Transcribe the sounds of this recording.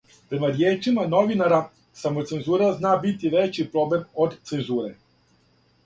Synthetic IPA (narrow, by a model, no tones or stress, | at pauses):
pɾe̞maɾjeːt͡ʃimano̞ʋinaɾa | samot̪se̞nzuːɾaznaːbit̪iʋet͡ɕipɾo̞ble̞mod̪t̪se̞nzuːɾe